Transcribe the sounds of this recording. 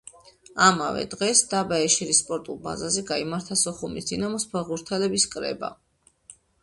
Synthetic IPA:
ama̰vɛ̰d̪ʁɛsd̪abaɛʃɛɾisːpʼɔɾt̪ʼulˠba̰zazɛɡaimaɾt̪ʰasɔχumisd̪inamɔspʰɛʁuɾt̪ʰɛlɛbiskʼɾɛ̰ba̰

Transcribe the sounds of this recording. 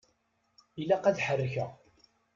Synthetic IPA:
ilːæqæðħərːçæ

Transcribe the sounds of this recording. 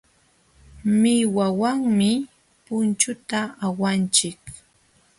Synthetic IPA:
mɪwawaŋmɪ | pʊnt͡ʃʊt̪aːwant͡ʃɪk

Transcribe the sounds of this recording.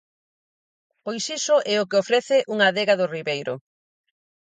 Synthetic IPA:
pojsisʊʔɛokeofɾɛθeʔuŋaðeɣaðʊriβejɾʊ̰

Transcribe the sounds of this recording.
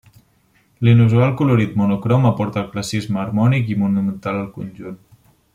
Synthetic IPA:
linuzualˠkuluɾit̪̚munukɾɔməpɔɾt̪əːlˠklasizməːɾmɔnikimunumənt̪aləlˠkunʲʒun

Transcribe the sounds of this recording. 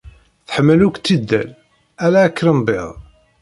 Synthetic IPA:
θə̥ħəmːəlukʷːt̪ːid̪ːæ̰l | ælæːkːɾəmbḛðˤ

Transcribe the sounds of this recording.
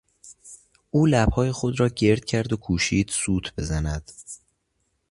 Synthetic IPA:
ʔuːlæbhɒːje̞xo̞d̪ɾɒːɟe̞ɾd̪̥̚cʰæɾd̪o̞kʰuːʃiːd̪̥suːt̪ʰb̥e̞zænæd̪̥

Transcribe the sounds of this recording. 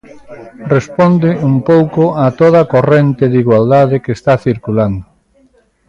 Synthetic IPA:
respond̪ɪumpowkoat̪oð̞akorent̪ɪðiɣwald̪aðɪkest̪aθiɾkuland̪o

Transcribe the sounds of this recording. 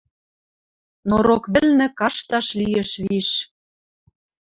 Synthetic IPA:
noɾokβɘ̆lnɘ̆kɑʃt̪ɑʃlijĕʃβiʃ

